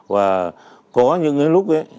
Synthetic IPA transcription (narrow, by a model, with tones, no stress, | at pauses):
vaː˨˩ | kɔ˨˦ɲɨ̰˧˥ŋə˨˦lʊ˦˥k͡p̚ʔe˨˦